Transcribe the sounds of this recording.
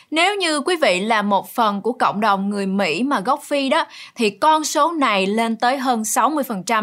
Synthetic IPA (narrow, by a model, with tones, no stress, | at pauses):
ne˨˦wɲɨ˧kwi˨˦vḭ˧˨laː˨˩mo˨˩t̚fə˨˩nku˧˩əkə̰˧˨wŋ͡mɗə˨˩wŋ͡mŋɨ˨˩əjmḭ˧˥maː˨˩ɣɔ˦˥wk͡p̚fi˧ɗɔ˨˦t̪ʰi˨˩kɔ˧nso˨˦na˨˩jle˧nt̪əː˨˦jɦəː˧nsa˨˦wmɨ˧əjfə˨˩nt͡ɕa˧m